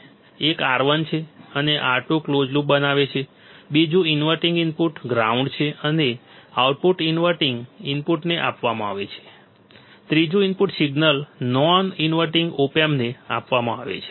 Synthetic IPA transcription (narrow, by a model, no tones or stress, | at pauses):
ekaɾʋənt͡ʃʰeəneʔaʈũklod͡ʒlũbənaʋet͡ʃʰe | bid͡ʒũinʋəɾʈiŋɡinpuʈɡɾauɳɖt͡ʃʰeʔəneauʈ̚puʈinʋəʈiŋɡinpuʈneʔa̰pʋamãaʋḛt͡ʃʰe̥ | t̪ɾid͡ʒũinpuʈsiɡnəlnɔninʋəʈiŋɡopemnea̰pʋamãaʋḛt͡ʃʰe̥